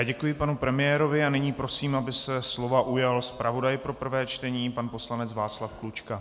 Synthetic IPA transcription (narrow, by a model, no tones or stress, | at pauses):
ɟɛkujɪpanupɾɛmɪjɛːɾo̞vɪanɪɲiːpɾo̞siːmabɪsɛslo̞vaʔujalspɾavo̞dajpɾo̞pr̩vɛːt͡ʃt̪ɛɲiːpanpo̞slanɛt͡svaːt͡slafklut͡ʃka